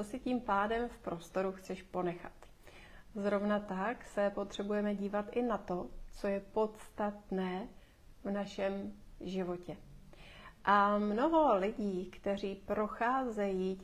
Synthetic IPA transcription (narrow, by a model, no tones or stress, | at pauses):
osɪciːmpaːdɛmfpɾo̞st̪o̞ɾuxt͡sɛʃpo̞nɛxat̪ | zɾovnat̪aksɛpo̞t̪r̝̥ɛbujɛmɛɟiːvat̪ʔɪnat̪o̞t͡so̞jɛpo̞t̪st̪at̪nɛː | vnaʃɛmʒɪvo̞cɛ | ʔamno̞ɦo̞lɪɟiːkt̪ɛr̝iːpɾo̞xaːzɛjiː